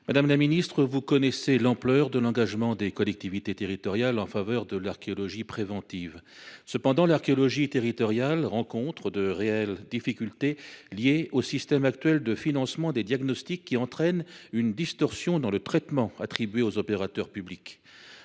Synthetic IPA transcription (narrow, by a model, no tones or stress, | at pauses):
mad̪amlaminist̪χəvukɔnɛselɑ̃plœʁd̪əlɑ̃ɡaʒmɑ̃d̪ekɔlɛk̚t̪ivit̪et̪eʁit̪ɔʁjalɑ̃favœʁd̪əlaʁkʲeɔlɔʒipχevɑ̃t̪ivsəpɑ̃d̪ɑ̃laʁkʲeɔlɔʒit̪eʁit̪ɔʁjalʁɑ̃kɔ̃t̪χəd̪əʁeɛld̪ifikʲylt̪eljeosist̪ɛmak̚t̪ɥɛld̪əfinɑ̃smɑ̃d̪ed̪jaɡnɔst̪ikːiɑ̃t̪χɛnynd̪ist̪ɔʁsjɔ̃d̪ɑ̃lət̪χɛt̪mɑ̃a̰t̪χibɥeozɔpeʁat̪œʁpyblik